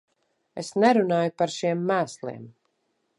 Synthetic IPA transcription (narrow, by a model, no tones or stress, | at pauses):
esnɛɾunaːjupaɾʃiɛmːæːslˠḭɛm